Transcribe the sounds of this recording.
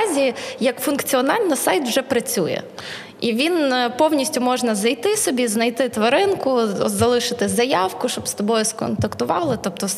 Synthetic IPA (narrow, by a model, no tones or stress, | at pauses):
zʲijɐkfʊnkt͡sʲiɔnɑlʲnɐsɑjt̪wʒɛpɾɐt͡sʲujɛ̰ | iʋʲinpɔwnʲisʲtʲʊmɔʒnɐzɐjt̪ɪsɔbʲiznɐjt̪ɪt̪ʋɐɾɪnkʊzɐlˠɪʃɪt̪ɪzɐjɑwkʊʃt͡ʃɔbst̪ɔbɔjʊskɔ̰nt̪ɐkt̪ʊʋɑlˠɪt̪ɔpt̪ɔ